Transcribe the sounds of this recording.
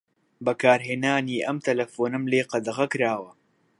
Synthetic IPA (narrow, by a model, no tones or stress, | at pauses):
bɐkaːɾɦeːnaːniːʔɐmt̪ɐlɐfoːnɨmleːqɐd̪ɐʁɐkɨɾaːwɐ